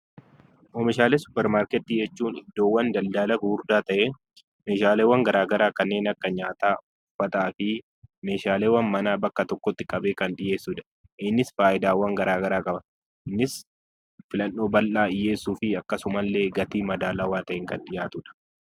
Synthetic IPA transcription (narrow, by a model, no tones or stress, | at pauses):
ʔɔmɪʃaːlesʊ̥pːɛɾmaːɾkɛt̪ːiːd͡ʒɛt͡ʃːuːnɪ̰d̪ːo̞ːwːɐnd̪ɐld̪aːlɐɡuːɾd̪aːt̪ɐʔe | me̞ːʃaːleːwːɐŋɡɐɾaːɡɐɾaːkɐnːe̞ːnɐkːɐɲaːt̪aːʊʊfːɐt̪aːfɪ | me̞ːʃaːleːwɐnmɐnaːbɐkːɐt̪ɔkːɔt̪ːɪkʼɐbeːkɐnɗɪje̞ːsːʊᶑ̪ɐ̥ | ʔɪnːɪsfaːʔɪd̪aːwːɐŋɡɐɾaːɡɐɾaːkʼɐbɐ | ɪnːɪs | fɪlɐnːo̞ːbɐlʔaːɪjːeːsːuːfɪɐkːɐsʊmɐlːeːɡɐt̪iːmɐd̪aːlaːwaːt̪ɐʔɛŋkɐnᶑɪjaːt̪ʊᶑɐ̥